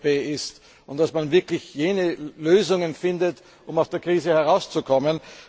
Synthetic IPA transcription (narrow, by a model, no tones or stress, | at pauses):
peːɪst | ʊnt̚d̥asmanvɪɐklɪçjeːnəløːzʊŋənfɪndət | ʔʊmaʊsd̥eːɐkʁ̥iːzəhɛʁaʊst͡sukʰɔmən